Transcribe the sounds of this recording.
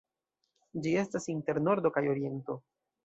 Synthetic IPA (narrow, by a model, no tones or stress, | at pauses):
d͡ʒie̞stasinte̞ɾno̞ɾdo̞kajo̞ɾie̞nto